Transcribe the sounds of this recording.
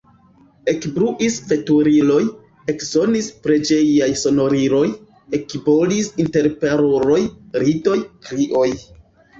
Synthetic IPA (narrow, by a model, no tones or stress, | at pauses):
e̞kbɾuʔisfe̞tuɾilo̞j | e̞kzo̞nispɾe̞d͡ʒe̞jajso̞no̞ɾiɾo̞j | ekibo̞lisinte̞ɾpeɾoɾo̞jɾito̞jkɾiʔo̞j